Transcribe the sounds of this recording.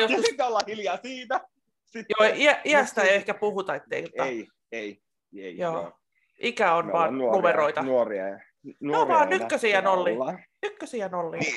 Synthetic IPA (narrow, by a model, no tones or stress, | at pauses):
joskusolːɑhiljɑːsiːnæ | joiæʔiæst̪æeehkæpuhut̪ɑet̪ːeit̪oɑ | i | ejoː | ʔikæonʋɑːnnumeroit̪ɑnrḭ | noʋɑːnnykːøsiænolːinykːøsiænolːi